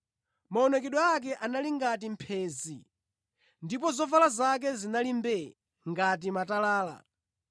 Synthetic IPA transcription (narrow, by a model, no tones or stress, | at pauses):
maɔnɛkɛɗwaak̬ɛʔanaliŋɡatim̩pʰɛːzi | ndipɔzɔvalazak̬ɛzinalimbɛ | ŋɡat̬imatalaːla̰